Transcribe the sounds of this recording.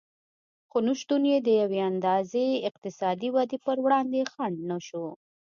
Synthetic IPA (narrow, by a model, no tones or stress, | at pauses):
xonuʃt̪unjed̪əjaweand̪ɑzeɪq̚t̪ɪsɑd̪iwad̪epəɾwɽɑnd̪exaɳɖnaʃo